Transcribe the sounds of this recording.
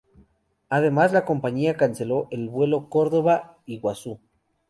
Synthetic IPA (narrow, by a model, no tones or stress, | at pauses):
aðe̞mazlako̞mpaɲiakanse̞lo̞ʔelβwe̞lo̞ko̞ɾðo̞βa | iɣwasu